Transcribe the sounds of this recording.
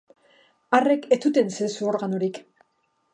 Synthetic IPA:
are̞ket͡s̪ut̪e̞nsesuo̞ɾɣanoɾik

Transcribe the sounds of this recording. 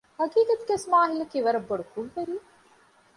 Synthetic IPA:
hɐkiːkɐt̪ɡesmaːɦilɐkiʋɐɾɐbːoɽukuʋʋeɾiː

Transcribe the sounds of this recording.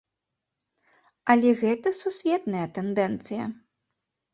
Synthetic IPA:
ɐlʲɛɣɛt̪ɐsusʲvʲɛt̪nɐjɐt̪ɛnd̪ɛnt̪sɨjɐ̰

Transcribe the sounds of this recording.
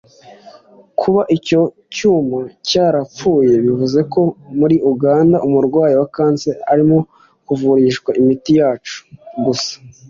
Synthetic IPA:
kʰuβaʔico̞ | cuːmacaːɾap͡fuːje̞βivuze̞ko̞muɾiʔuɡaːndaʔumuɾɡwaːjiwakaːnt͡seaɾimo̞ | kuvuɾiʃɡwaʔimitijaːt͡ʃu̥ɡusḁ

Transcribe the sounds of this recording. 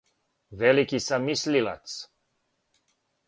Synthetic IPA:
vɛlikisamislila̰t̪s

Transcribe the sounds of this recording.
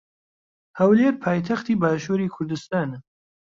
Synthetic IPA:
hɐwleːɾpʰaːjt̪ʰɐxt̪iːbaːʃuːɾiːkʰʊɾd̪ɨst̪aːn

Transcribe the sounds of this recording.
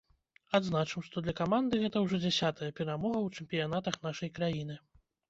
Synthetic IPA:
ad̪znat͡ʂɨmʂt̪ɔd̪lʲɐkamand̪ɨɣɛt̪ɐwʐɔd͡zʲasʲat̪ɐjɐpʲɛɾamɔɣɐwt͡ʂɨmʲpʲijanat̪ɐxnaʂɐjkɾajinɨ

